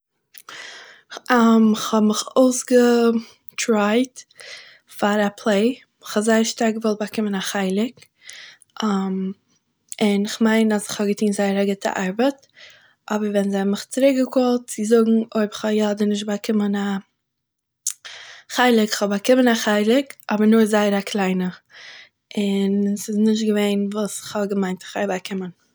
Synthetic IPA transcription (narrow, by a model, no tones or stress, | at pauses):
amɪχhɔbmɪχoʊsɡə | tɾaɪt | faɾapʰlˠeɪ | ɪχhɔzaɪəɾʃtaɾk̚ɡəvɔlˠt̚bakɪmənaχaɪlˠɪk | ʔam | ɪnɪχmaɪnasɪ̥χhɔbɡətʰiːnzaɪəɾaɡɪtʰə̰ʔaɾbət | ʔɔbəɾvɛnzɪmɪχt͡sɪɾɪk̚ɡəkolˠt̚t͡sɪzʊɡŋ̩oɪbɪχɔjɔdənɪʃ̬tbakʰɪməna | χaɪlˠɪkɪ̥χhɔbakɪmənaχaɪlˠɪkʔɔbəɾnʊɾzaɪəɾakʰlˠaɪnə | ɪnsɪsnɪʃ̬tɡəveɪnvuːsɪ̥χhɔbɡəmaɪ̃ntɪχaɪbakʰɪmən